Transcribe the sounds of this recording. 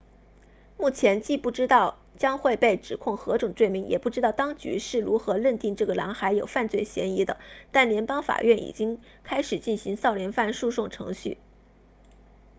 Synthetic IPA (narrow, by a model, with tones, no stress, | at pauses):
mu˥˩t͡ɕʰjɛ˧˥nt͡ɕi˥˧pu˥˩ʈ͡ʂɻ̩˥t̪ɑ˥˩ʊ | t͡ɕjɑ˥ŋxwe˥˧ɪpe˥˩ɪʈ͡ʂɻ̩˨˩kʰʊ˥˩ŋxɤ˧˥ʈ͡ʂʊ˨˩ŋt͡swe˥˩ɪmi˧˥ŋjɛ̰˨˩pu˥˩ʈ͡ʂɻ̩˥t̪ɑ˥˩ʊt̪ɑ˥ŋt͡ɕy̰˧˥ʂɻ̩˥˩ɻu˧˥xɤ˧˥lə˥˧nt̪i˥˧ŋʈ͡ʂɤ˥˩ɡə˩lɑ̰˧˥ŋxa˧˥ɪjo˨˩ʊfa˥˧nt͡swe˥˩ɪɕjɛ̰˧˥ni˧˥d̪ə̰˧t̪a˥˩nljɛ˧˥npɑ˥ŋfa̰˨˩ɥɛ˥˩nḭ˨˩t͡ɕi˥ŋ | kʰa˥ɪʂɻ̩˨˩t͡ɕi˥˩nɕi˧˥ŋsɑ˥˩ʊljɛ˧˥nfa˥˧nʂu˥˧ʂʊ˥˩ŋʈ͡ʂʰɤ̰˧˥ŋɕy̰˥˩